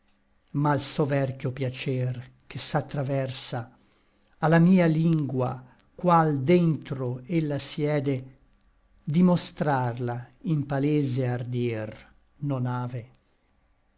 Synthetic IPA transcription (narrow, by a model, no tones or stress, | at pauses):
malsovɛrkjopjat͡ʃɛr | kesat̪ːɾavɛrsaː | lːamiːaliŋɡwa̰ | kwald̪ent̪ɾoelːasjɛːd̪e | d̪imost̪ɾarlaimpaleːzeard̪jɛr | nonaːve